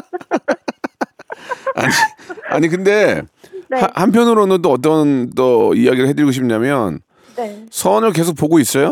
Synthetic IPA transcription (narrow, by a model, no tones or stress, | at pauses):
a̰ɲia̰ɲik̬ɯnde̞ | hahanpʰjʌnɯɾonɯntoʌt̬͈ʌnt͈ʌijaɡiɾɯɭɦe̞dɯɭɡoɕ̬ʰip̚ɲamjʌn | sʰʌnɯɭk̬e̞sʰok̚poɡois͈ʌjo